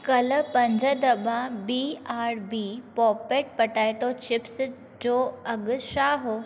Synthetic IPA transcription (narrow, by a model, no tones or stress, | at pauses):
kɐlpɐ̃ɲd͡ʑʱəd̪ɐbãbiːaːɾbiːpɔːpeːʈ̚pɐʈaːiʈot͡ɕɪps | d͡ʑoːɐɠʊʃaːɦo